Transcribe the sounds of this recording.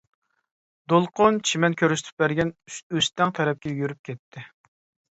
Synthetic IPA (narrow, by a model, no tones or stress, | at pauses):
d̪olˠqʰont͡ʃʰimɛnkʲʰøɾyst̪ʰy̥p̚bæɾɡʲɛnøst̪ɛŋt̪ʰɛɾɛp̚kʲɛjyɾyp̚kʲɛt̪ʰːɪ